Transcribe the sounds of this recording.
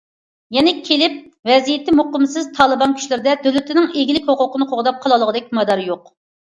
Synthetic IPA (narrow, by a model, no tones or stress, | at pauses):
jɛnɪkʲʰelɪp̚ | vɛzijɪt̪ʰːɪmoqəmsɨzt̪ʰɑːlˠɨbɑnkʲʰy̥ʃlɪɾɪd̪ɛd̪ølyt̪ʰɪnɪŋeɡʲilɪkʲhoqʊqənɨqʰoʁd̪ɑp̚qʰɑlˠɑlˠəʁəd̪ɛk̚ʲmɑd̪ɑɾjoq